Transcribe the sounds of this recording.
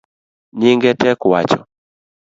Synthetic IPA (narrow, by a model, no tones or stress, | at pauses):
ɲiŋɡɛtɛkwat͡ʃɔ̰